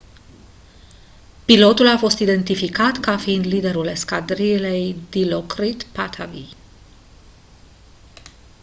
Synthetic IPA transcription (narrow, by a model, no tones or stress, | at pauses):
pilo̞t̪ulafo̞st̪id̪e̞nt̪ifikat̪kafiːnd̪lid̪e̞ɾuleskad̪ɾilejd̪ilokɾit̪pat̪ʰavi